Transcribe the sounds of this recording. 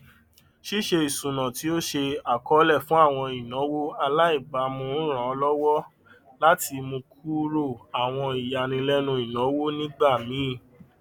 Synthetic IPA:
ʃi˦ʃe˧i˨sũ˨nã˨ti˨˦o˦ʃe˧a˨kɔ˨˦lɛ˦˨fũ˦a˦˨w̃ɔ̃˧i˨nɔ̃˨˦wo˦a˧la˦i˦˨ɡ͡ba˨˦mõ˧˦ɾ̃ã˨ɔ˧˦lɔ˦wɔ˦ | la˦tʰi˧mõ˧kʰu˦ɾo˦˨a˨w̃ɔ̃˧i˨ja˨˧nĩ˧lɛ˦nũ˧˦i˨nɔ̃˨˦wo˦nĩ˦ɡ͡ba˦˨mĩ˨˦˨

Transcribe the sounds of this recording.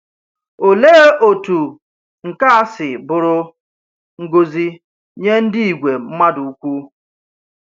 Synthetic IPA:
o˨leː˦o˨tu˨ | ŋ̩˨ka˦a˦sɪ˨bʊ˨ɾʊ˦ | ŋ̩˦ɡo˦zi˦ | ɲe˦n̩˦dɪ˦i˨ɡʷe˨m̩˦ma˦du˨u˦kʷu˦

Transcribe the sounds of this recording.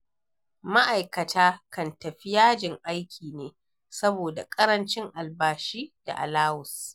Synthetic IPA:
ma˦ʔa˨jkɐ˨tʰaː˦kɐ˨ntɐ˨ɸɪ˦jaː˦d͡ʒɪ˨ŋʔa˦jkʲʰiː˨neː˦ | sɐ˦boː˨da̰˨kʼɐ˦ɾɐ˦nt͡ʃɪ˦ŋʔa˨lbaː˨ʃiː˦d̥a̰˨ʔa̰˨laː˦wʊ˨s

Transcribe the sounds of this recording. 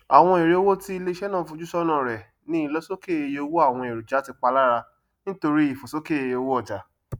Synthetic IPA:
a˨w̃ɔ̃˧e˨ɾe˨o˧˦wo˦ti˦i˧le˦i˧ʃɛ˦nãː˦˨˦fũ˧d͡ʒu˦ʃɔ˦nã˦˨ɾɛ˨ | nĩ˦lɔ˦so˦ke˦˨e˧je˧o˧wo˦a˦˨w̃ɔ̃˧e˨ɾu˨d͡ʒa˨˦ti˧k͡pa˧la˦ɾa˧ | nĩ˦to˧ɾi˦i˦˨fo˨so˦ke˦e˧je˧o˧wo˦ɔ˦˨d͡ʒa˨

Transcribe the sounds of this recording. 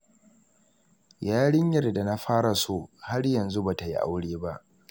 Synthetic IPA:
jaː˦ɽɪ˦ɲjɐ˦˨rda˨na˦ɸaː˦ɽa˨soː˦˨ha˦rjɐ˨nzu˦ba˨ta˨ji˦ʔa̰˦wɽeː˦ba˦ʔ

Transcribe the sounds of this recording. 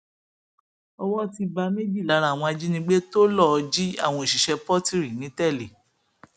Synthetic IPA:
ɔ˦˧wɔ˦ti˧ba˧me˦d͡ʒi˦˨la˨˦ɾa˦˨w̃ɔ̃˧a˧d͡ʒi˦nĩ˧˦ɡ͡be˦to˦lɔ˦˨˧d͡ʒi˦a̰˦˨w̃ɔ̃˧i˨ʃi˨ʃɛ˧pɔ˦ti˦˨ɾi˨nĩ˨˦tɛ˦˨le˨

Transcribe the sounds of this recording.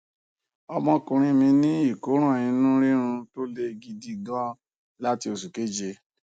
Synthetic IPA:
ɔ˧mɔ̃˧kũ˨ɾ̃ĩ˧mĩ˧nĩ˦i˦˨ko˨˦ɾ̃ɔ̃˦˨nĩ˧nũ˦ɾi˦ɾ̃ũ˧to˦le˦ɡi˧di˧ɡɔ˦ | la˦ti˧o˨su˨ke˨˦d͡ʒe˧

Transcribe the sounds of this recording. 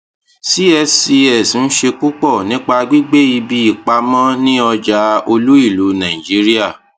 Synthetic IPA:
si˦ɛ˧si˧ɛ˨sn̩˦ʃe˧ku˦k͡pɔ˦˨nĩ˦k͡pa˧ɡ͡bi˦ɡ͡be˦i˧bi˦i˦˨k͡pa˧mã˦nĩ˦ɔ˧d͡ʒa˧o˧lu˦i˦˨lu˨˦nã˨ĩ˨d͡ʒi˨˦ɾi˦a˦˨

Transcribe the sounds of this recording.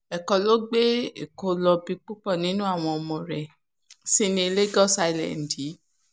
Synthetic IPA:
ɛ˨kɔ˧lo˦ɡ͡be˦e˨ko˧lɔ˧bi˧k͡pu˦k͡pɔ˦˨nĩ˨˦nũ˦a˦˨w̃ɔ̃˧ɔ˧mɔ̃˨ɾɛ˨ | si˦nĩ˧e˧le˦ɡɔ˦sa˧i˨lɛ̰̃˨n̩˨di˨˦

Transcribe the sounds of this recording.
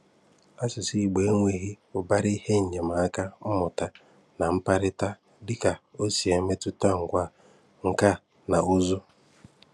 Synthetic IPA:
a˦sɪ˨si˦˨ɡ͡be˨e˦ŋʷe˨ɣi˦ʊ˨ba˦ɾɪ˦he˦ɲ̩˨ɲe˨ma˨a˦ka˦ɔ˦mʊ˨ta˨ | na˨m̩˦pa˦ɾɪ˦ta˦ | dɪ˦ka˨o˦si˨e˨˦me˦tʊ˦ta˦ŋ̩˨ɡʷa˦˨ | ŋ̩˨ka˦˨ | na˨ʊ˦zʊ˦

